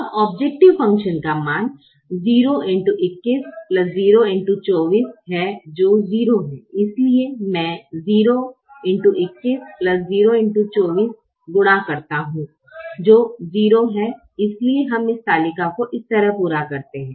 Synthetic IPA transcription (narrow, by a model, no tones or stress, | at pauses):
ɐbɔːb̚d͡ʒɛːk̚ʈɪʋfɐ̃ŋkʃənkamaːn | ziːɾoʔɪ̃ɳʈuʔɪkːɪsplɐsziːɾoɪ̃ɳʈut͡ʃɔːʋiːsɦɛd͡ʒoːziːɾoɦɛ̰̃ɪsliemɛ̃ːziːɾo | ɪ̃ɳʈuʔɪkːɪsplɐsziːɾoɪ̃ɳʈut͡ʃɔːʋiːs | ɡʊɽ̃akɐɾt̪aɦũː | d͡ʒoːziːɾoɦɛ | ɪslieɦɐmɪst̪aːlɪkakoʔɪst̪ɐɾəɦpuːɾakɐɾt̪eɦɛ̃ː